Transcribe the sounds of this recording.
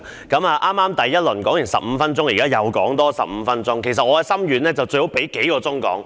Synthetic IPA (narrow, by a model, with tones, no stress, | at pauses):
kɐ˨˥maː˨ʔaː˥mːaː˥mt̪ɐ˨jːɐ˥t̚lɵ˨˩nkɔː˨˥ŋjɪ˨˩nsɐ̰˨p̚m̩˨˧fɐ˥nt͡sʊ˥ŋjiː˨kaː˥jɐ˨˩wkɔː˨˥ŋt̪ɔː˥sɐ̰˨˩p̚m̩˨˧fɐ˥nt͡sʊ˥ŋkʰe˨˩jsɐ˨t̚ʔɔː˨˧ɛ˧sɐ˥mjyː˨˧nlɛː˥t͡sɐ˨wt͡sɵ˧ɥho˨˥wpe˨˥jke˨˥jkɔː˧t͡sʊ˥ŋkɔ̰ː˨˥ŋ